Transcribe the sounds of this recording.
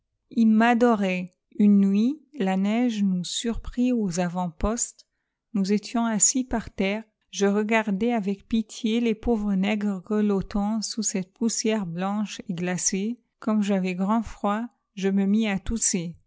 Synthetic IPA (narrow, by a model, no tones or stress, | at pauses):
ilmad̪ɔʁɛ | ynːɥilanɛʒnusyʁpχiozavɑ̃pɔst̪ | nuzet̪jɔ̃asipaʁt̪ɛːʁ | ʒəʁəɡaʁd̪ɛavɛkpit̪ʰjelepovʁənɛɡʁəʁəlɔt̪ɑ̃susɛt̪̚pusjɛʁblɑ̃ʃeɡlase | kɔmʒavɛɡʁɑ̃fχwa | ʒəməmiat̪use